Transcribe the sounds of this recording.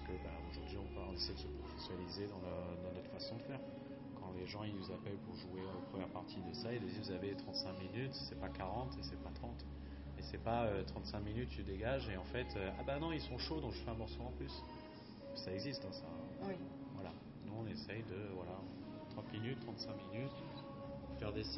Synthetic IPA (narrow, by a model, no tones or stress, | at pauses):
pkəbaoʒuʁd̪ɥiɔ̃pøaɔ̃nesɛjd̪əsəpχɔfɛsjnalized̪ɑ̃d̪ɑ̃nɔt̪χfasɔ̃d̪əfɛʁ | kɑ̃leʒɑ̃inuzapɛlpuʁʒueopχəmjɛʁpaʁt̪ʰid̪əsaid̪əd̪ivuzavet̪χɑ̃t̪sɛ̃minyt̪sɛpakaʁɑ̃t̪esɛpat̪χɑ̃t̪ | esɛpaøt̪χɑ̃t̪sɛ̃kminyt̪ːyd̪eɡaʒeɑ̃fɛt̪ʰøa̰banɔ̃ilsɔ̃ʃod̪ɔ̃kʒəfɛɛ̃mɔʁsoɑ̃plys | kə̥saɛɡzist̪ɛ̃sã | vwala | nuɔ̃nesɛjd̪əvwalã | t̪χɑ̃t̪minyt̪ːχɑ̃t̪sɛ̃minyt̪ | fɛʁd̪es